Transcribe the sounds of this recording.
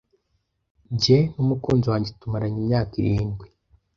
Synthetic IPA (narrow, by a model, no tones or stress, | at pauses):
ɟenumukoːnzowaːɲɟetumaɾaɲimɲaːkiɾiːnɡwe